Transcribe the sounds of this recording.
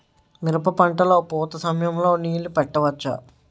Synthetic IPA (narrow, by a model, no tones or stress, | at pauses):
miɾɐpɐpɐɳʈɐlo̞ːpuːt̪ɐsɐmɐjɐmlo̞ːniːlupɛʈːɐʋɐt͡ʃːɐ̰